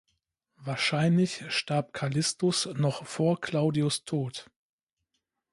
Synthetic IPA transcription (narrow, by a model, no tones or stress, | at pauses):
vaːɐʃaɪnlɪçʃtaɐp̚kʰalɪstʊsnɔχfoːɐkʰl̥aʊdiʊstʰoːt